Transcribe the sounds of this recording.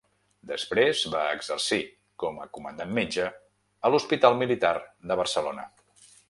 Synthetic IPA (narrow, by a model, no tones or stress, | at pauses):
d̪əspɾezbaəɡz̥ərsi | kɔmə̰kumənd̪anmed͡ʒəː | luspit̪alˠmilit̪ard̪əβ̞ərsəlonə̰